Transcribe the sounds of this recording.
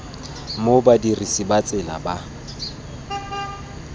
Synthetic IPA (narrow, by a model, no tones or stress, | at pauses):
mobadirisibat͡sʼɪla̰ba